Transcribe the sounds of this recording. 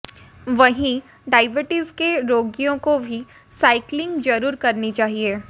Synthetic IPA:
ʋɐɦĩ | ɖaːɪʋəʈizkeɾoːɡijõkobʱi | saːɪklɪ̃ŋɡd͡ʒɐɾuːɾkɐɾnit͡ʃaːɦieː

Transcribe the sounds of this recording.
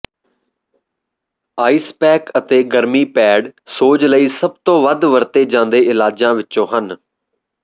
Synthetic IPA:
aːiːspɛːkət̪eːɡəɾmiːpɛːɖsoːd͡ʒləiːsəb̚t̪õːʋəd̪ʋəɾt̪eːd͡ʒãːnd̪eːʔɪlaːd͡ʒãːʋɪtːt͡ʃõːɦən

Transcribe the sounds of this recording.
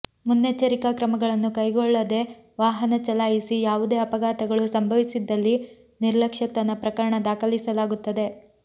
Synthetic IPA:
munːet͡ʃːɐɾikakɾɐmɐɡɐɭɐnːukɐjɡɔɭːɐd̪e̞ | ʋaːɦɐnɐt͡ʃɐlaːjisijaːʋud̪e̞ːɐpɐɡaːt̪ɐɡɐɭusɐmbʱɐʋisid̪ːɐlːi | niɾlɐkʂɐt̪ɐnɐpɾɐkɐɾɐɳɐd̪aːkɐlisɐlaːɡut̪ːɐd̪e̞

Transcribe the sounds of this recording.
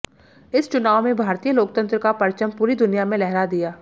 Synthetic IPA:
ɪst͡ʃʊnaːʋmẽbʱaːɾt̪ijəloːk̚t̪ə̃nt̪ɾəkapɐɾt͡ʃəmpuːɾid̪ʊnijamẽlɛɦɾad̪ijaː

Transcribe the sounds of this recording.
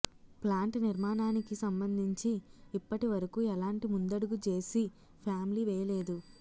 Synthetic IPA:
plaːɳʈniɾmaːnaːnikisɐmbɐnd̪ʱiɲt͡ʃiːpːɐʈiʋɐɾɐkuːɛlaːɳʈimund̪ɐɽuɡut͡ʃe̞ːsi | pʰaːmiliːʋɛːjɐle̞ːd̪u

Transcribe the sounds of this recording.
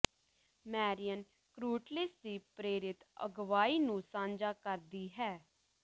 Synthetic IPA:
mɛːɾɪjən | kɾuːʈlɪsd̪iːpɾeːɾɪt̪ə̰ɡʋaːiːnũːsãːnd͡ʒaːkəɾd̪iːɦɛː

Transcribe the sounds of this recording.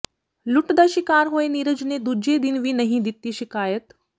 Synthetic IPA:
luʈd̪əɕikaːɾɦoeniɾəd͡ʑned̪ud͡ʑed̪inʋiːnəɦĩd̪it̪ːiːɕikaːjət̪

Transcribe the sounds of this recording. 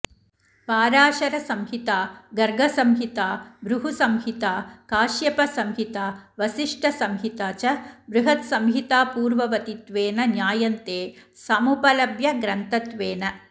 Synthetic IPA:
paːɾaːʃɐɾɐsɐmɦit̪aːɡɐɾɡʱɐsɐmɦit̪aːbɾuɦusɐmɦit̪aːkaːʃjɐpɐsɐmɦit̪aːʋɐsiʂʈɐsɐmɦit̪aːt͡ʃɐbɾuɦɐt̪sɐmɦit̪aːpuːɾʋɐʋɐt̪it̪ʋeːnɐnjaːjɐnt̪eːsɐmupɐlɐbjɐɡɾɐnt̪ɐt̪ʋeːnɐ

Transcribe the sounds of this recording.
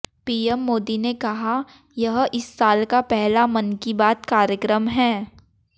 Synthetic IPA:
piːɛmːoːd̪inekɐɦa | jɐɦʔɪsːaːlkapɛɦlamɐnkibaːt̪kaːɾjəkɾəmɦɛ̃ː

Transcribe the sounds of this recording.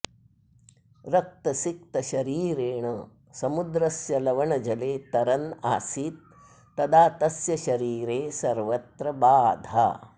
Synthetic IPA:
ɾɐk̚t̪ɐsik̚t̪ɐʃɐɾiːɾeːɳɐ | sɐmud̪ɾɐsjɐlɐʋɐɳɐd͡ʒɐleːt̪ɐɾɐna̰ːsiːt̪̚ː | ɐd̪aːt̪ɐsjɐʃɐɾiːɾeːsɐɾʋɐt̪ɾɐbaːd̪ʱa̰

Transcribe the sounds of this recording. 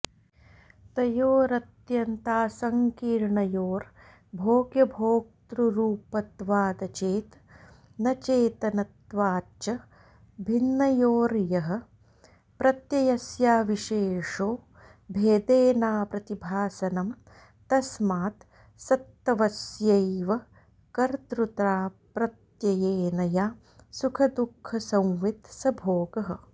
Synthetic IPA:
t̪ɐjoːɾɐt̪jɐnt̪aːsɐŋkiːɾɳɐjoːɾ | bʱoːɡjɐbʱoːk̚t̪ɾuɾuːpɐt̪ʋaːd̪ɐt͡ʃeːt̪ | nɐt͡ʃeːt̪ɐnɐt̪ʋaːt͡ʃɐ | bʱinːɐjoːɾjɐɦɐ̆ | pɾɐt̪jɐjɐsjaːʋiʃeːʂoː | bʱeːd̪eːnaːpɾɐt̪ibʱaːsɐnɐm | t̪ɐsmaːt̪ | sɐt̪ːɐʋɐsjɐjʋɐ | kɐɾt̪ɾut̪ɾaːpɾɐt̪jɐjeːnɐjaː | sukʰɐd̪ukʰːɐsɐ̃w̃ʋit̪sɐbʱoːɡɐɦɐ̆

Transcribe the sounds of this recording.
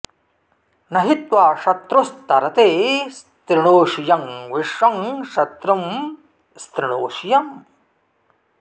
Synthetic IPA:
nɐɦit̪waːʃɐt̪ɾust̪ɐɾɐt̪est̪ɾiɳ̃oːʃijɐŋʋiʃʋɐŋʃɐt̪ɾɐm | st̪ɾiɳ̃oːʃijɐm

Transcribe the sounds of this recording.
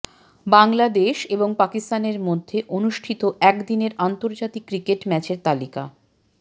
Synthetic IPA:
baŋlad̪eʃeboŋpakist̪aneɾmod̪ʱːeʔonuʃʈʰit̪oʔɛkd̪ineɾant̪oɾd͡ʑat̪ikːɾikeʈmɛt͡ɕeɾt̪alika̰

